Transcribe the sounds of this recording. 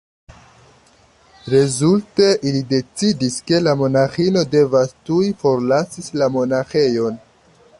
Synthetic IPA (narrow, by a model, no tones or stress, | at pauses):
ɾe̞zulte̞ʔilide̞t͡sidiske̞lamo̞naxino̞de̞vastujfo̞ɾlasilamo̞naxe̞jo̞n